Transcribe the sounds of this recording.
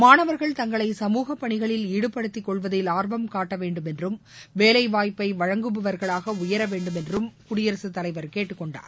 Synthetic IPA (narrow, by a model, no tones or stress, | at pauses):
maːnɐʋɐɾɣɐɭt̪ɐŋɡɐɭɐɪsɐmuːɣɐpːɐɳɪɣɐɭɪliːɽɯpːɐɽɯt̪ːɪkːɔɭʋɐðɪlaːɾʋɐmkaːʈːɐʋeːɳɖɯmɛndrɯmʋeːlɐɪʋaːjpːɐɪʋɐɻɐŋɡɯbɯʋɐɾɣɐɭaːɣɐʊjɐɾɐʋeːɳɖɯmɛndrɯmkʊɽɪjɐɾɐsɯt̪ːɐlɐɪʋɐɾkeːʈːɯkːɔɳɖa̰ːɾ